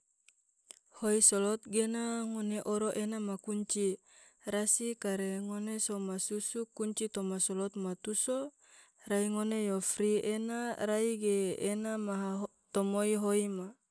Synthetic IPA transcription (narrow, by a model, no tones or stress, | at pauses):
hoisolɔt̪̚ɡenaŋoneʔoɾoʔenamakuɲt͡ʃi | rasikaɾeŋonesomasusukːuɲt͡ʃit̪omasolɔt̪̚mat̪uso | raiŋonejofɾienaɾaiɡeenamaɦaɦ | t̪omoiɦoima